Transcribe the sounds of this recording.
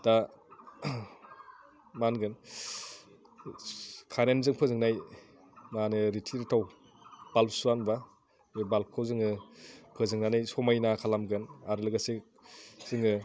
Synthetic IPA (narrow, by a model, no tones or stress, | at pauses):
d̥a | manɡɯn | kʰananzɯŋpʰɯzɯŋnaj | manɯɾitʰiɾitʰaw | balsuanba | ebalkʰɯwzɯŋɯpʰɯzɯŋnanajsɔmajnakʰalamɡɯnaɾɯlɯɡase | z̥ɯŋɯ